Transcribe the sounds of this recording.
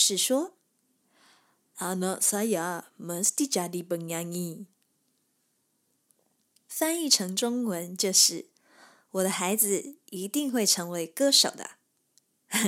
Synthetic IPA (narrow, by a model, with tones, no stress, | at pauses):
ʂɻ̩˥˩ʂwɔ˥ | a˨˩nɔ˧˩sa˥˧ja˨˦mə˧˦st̪i˥˧t͡ɕa˨˧li˧˩pə˨˩nja˧ŋi˧˩ | sa˥ni˥˩ʈ͡ʂʰɤ˧˥ŋʈ͡ʂʊ˥ŋwə˧˦nt͡ɕjo˥˧ʊʂɻ̩˥˩ | wɔ˨˩d̪ə˦xa˧˥ɪd͡zɹ̩˨i˧˥t̪i˥˧ŋxwe˥˩ɪʈ͡ʂʰɤ˧˥ŋwe˧˥ɪkɤ˥˧ʂo˨˩ʊd̪ə̰˦